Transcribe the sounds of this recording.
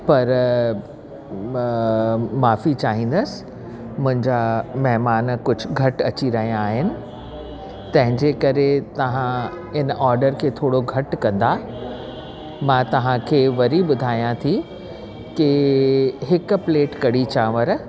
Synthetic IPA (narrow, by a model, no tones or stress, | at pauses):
pɐɾ | maːfit͡ɕaːɦĩːn̆d̪əs | mʊ̃ɦɪ̃ɲd͡ʑamɐɦmaːnkʊd͡ʑʱʊ̆ɡʱɐʈɐt͡ɕiɾɐɦijãːɦɪnɪ̆ | t̪ɐ̃ɦɪ̃ɲd͡ʑekɐɾet̪ɐʋã | ɪnʔɔːɾɖəɾkʰeːt̪ʰoːɽoɡʱɐʈkɐ̃nd̪a | mãːt̪ɐʋ̤ãkʰeːʋɐɾiɓʊd̪ʱaːijãt̪ʰi | kɪ | ɦɪkpleːʈkɐɽit͡ɕãːʋəɾ